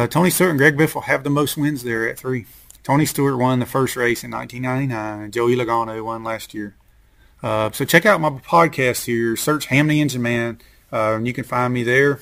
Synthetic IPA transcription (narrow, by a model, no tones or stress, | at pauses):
tʰõʊñistʊɹʔn̩ɡɹɛɡ̚bɪfl̩ˠɨvðəmoʊst̚wɪ̃nzðə˞ɨt̪̚θɹi | tʰõʊñistʊɹə˞t̚wʌ̃nðɨfɜ˞st̚ɹeɪsɨ̃nã̰ɪ̃ntʰĩnːãɪ̃tinãɪ̃nɨ̃nd͡ʒoʊilɨɡɑnoʊwʌ̃nlæst̚jɪɹ | ʌsoʊt͡ʃʰɛkaʊt̚maɪpʰɑd̚kʰæstshɪɹsɜ˞t͡ʃhæ̃mniɪ̃nd͡ʒə̃mæ̃n | ʌɨ̃njɨkɨ̃nfãɪ̃nmiðə˞